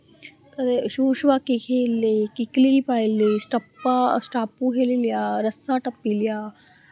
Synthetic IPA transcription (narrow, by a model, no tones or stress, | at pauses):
t̪ɐd̪eʃuːʃʋakːikʰelːikiklipaːilːisʈɐpːasʈaːpukʰelilijaːɾɐsaʈɐpːilijaː